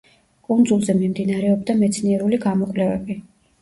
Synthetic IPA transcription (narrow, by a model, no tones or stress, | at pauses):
kʼund̪zulˠzɛmimd̪inaɾɛɔbd̪amɛt̪sʰniɛɾuliɡamɔkʼlɛvɛ̰bi